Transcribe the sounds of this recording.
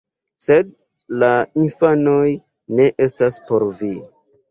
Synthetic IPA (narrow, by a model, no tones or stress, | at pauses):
se̞d̚ | lainfano̞j | ne̞ʔe̞staspo̞ɾvi